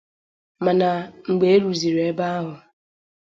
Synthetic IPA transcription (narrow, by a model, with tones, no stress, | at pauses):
ma˨na˨ŋ͡m̩˨ɡ͡be˨e˦ɾu˨zi˨ɾe˦ba˦a˦ɦʊ˨